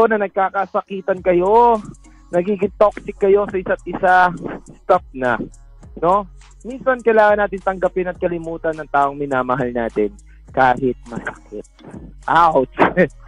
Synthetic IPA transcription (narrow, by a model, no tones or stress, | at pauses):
onɐnɐɡ̚kaːkasɐkiːt̪ɐnkɐjo̞ | nɐɡiːɡɪŋt̪o̞k̚sɪkːɐjo̞sɐʔɪsat̪̚ʔɪsast̪af̚nɐ | no̞ | minsɐnkɐjlaːŋɐnːaːt̪ɪnt̪ɐŋɡɐpɪnɐt̪̚kɐlɪmuːt̪ɐnːɐŋt̪aːʔo̞ŋmɪnaːmɐɦalnaːt̪ɪn | kaːhɪt̪̚mɐsɐ̥kɪt̪̚ʔawt̪